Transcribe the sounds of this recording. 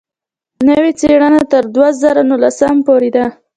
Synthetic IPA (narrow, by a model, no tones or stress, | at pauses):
nəwet͡seɽənat̪əɾd̪wazɑɾanulasampoɾed̪a